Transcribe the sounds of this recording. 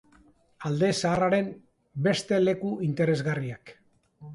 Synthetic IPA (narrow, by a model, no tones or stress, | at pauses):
ald̪e̞saːraɾe̞m | be̞st̪e̞le̞kuint̪e̞ɾe̞zɣariak